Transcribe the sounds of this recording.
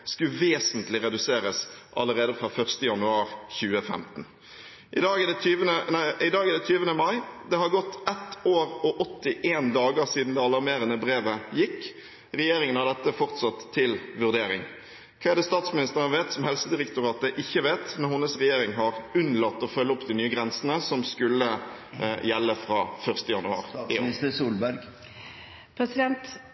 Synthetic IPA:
skʉʋeːsənt̪lɪʁɛd̪ʉseːɾəsʔɑlːəɾeːd̪əfʁɑfœʁst̪əjɑnʉɑːɾçʉːəfɛ̰mt̪n̩ | ʔɪd̪ɑːd̪ɛt̪ʰyːʋənəɪd̪ɑːɡəd̪ɛt̪ʰyːʋənəmɑɪd̪ɛhɑɾɡɔt̪ːɛt̪oːɾɔʔɔt̪ːɪʔeːnd̪ɑːɡəsiːd̪n̩d̪ɛɑlɑʁmeːɾənəbɾeːʋəjɪkː | ʁɛjeːɾɪŋənɑd̪ɛt̪ːəfɔʁt̪sɑt̪ʰːɪlʋʉʁd̪eːɾɪ̰ŋ | kʰɑɛd̪ɛst̪ɑːt̪smɪnɪst̪əʁənʋeːt̪sɔmhɛlsəd̪ɪʁɛkt̪ʊʁɑːt̪əʔɪçːəʋeːt̪mɛnhʊnəsʁɛjeːɾɪŋɦɑʁʉnlɑt̪ːɔfœlːəɔpːd̪ɪnyːəɡɾɛnsənəsɔmskʉlːə | jɛlːəfɾɑ̰ːfœʁst̪əjɑnʉɑ̰ːʁəsuːlbæɾɡ | pʰɾɛsɪd̪ɛnt̪

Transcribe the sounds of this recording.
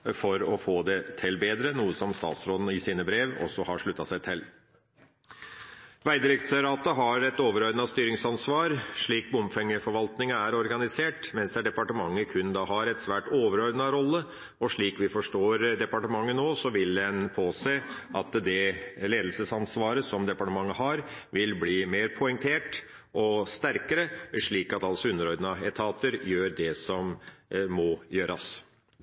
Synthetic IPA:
fɔɾɔfoːd̪ɛt̪ʰɛlbeːd̪ɾənuːəsɔmst̪ɑ̰ːt̪sɾɔd̪n̩ɪsiːnəbɾeːʋɔ̰sɔhɑɾʂɭʉt̪ːɑsæɪt̪ʰɛl | ʋæɪd̪ɪɾɛkt̪ʰøːɾɑt̪əɦɑɾɛt̪oːʋəɾøɾnɑst̪yːɾɪŋsɑnsʋɑːɾʂɭiːk̚bʊmfɛŋːəfɔɾʋɑlt̪nɪŋɑæɾɔɾɡɑnɪseːʈmɛnsd̪ɛæːɖɛpɑʈəmɑŋːəkʰʉnd̪ɑɦɑɾɛt̪sʋæːʈoːʋəɾøɾnɑɾɔlːə | ɔʂɭiːkʋɪfɔʂʈoːɾd̪ɛpɑʈəmɑŋːənoːsɔʋɪld̪ɛnpʰoːseːʔɑt̪d̪ɛleːd̪lsəsɑnsʋɑːɾəsɔmd̪ɛpɑʈəmɑŋːəɦɑɾʋɪlbliːmeːɾpʰʊɛŋt̪ʰeːʈ | ʔɔst̪æɾkəɾəʂɭiːkɑt̪ɑlsɔʉnːəɾɔɾd̪nɑɛt̪ʰɑːt̪əɾjøːɾɖ̪ɛsɔmː | ɔjøːɾɑ̰s

